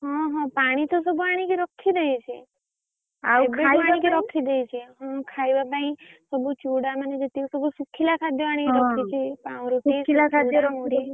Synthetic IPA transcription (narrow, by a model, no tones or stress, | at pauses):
ɦɔ̃ɦɔ̃paɽ̃it̪os̬ɔbuaɽ̃ikeɾɔkʰːid̪əjt͡ʃʰe | akʰeaãikeɾɔkʰid̪ejt͡ʃʰeɦɔ̃kʰajbabãĩsɔbut͡ʃuɽamaned͡ʒət̪iusɔbusukʰilakʰad̪ʱjɔʋaɽ̃ikeɾɔkʰit͡ʃʰepãũɾutikʰilakʰad̪jɔɾɔmuɽ